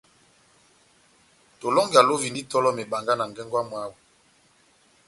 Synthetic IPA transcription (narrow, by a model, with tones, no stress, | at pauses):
to˨lɔ˦ŋɡa˨lo˦vi˨ndi˦tɔ˦lɔ˦me˨ba˨ŋɡa˦na˨ŋɡɛ˦ŋɡwa˦mwa˨˦wu˨